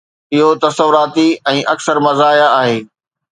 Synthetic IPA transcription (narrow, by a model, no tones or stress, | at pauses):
ɪɦot̪ɐsəʋʊɾaːt̪iɛ̃ːʔɐksəɾmɐzaːijaaːɦeː